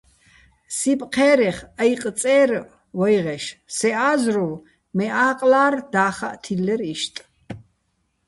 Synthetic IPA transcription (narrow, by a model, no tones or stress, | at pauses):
sipʼqʰɛːɾɛχajq̪ʼt͡sʼɛːr | wɔjʁɛʃsɛʔaːzru | mɛʔaːqʼlaːrd̪̥aːχaʔt̪ʰilːɛɾiʃt̪ʼ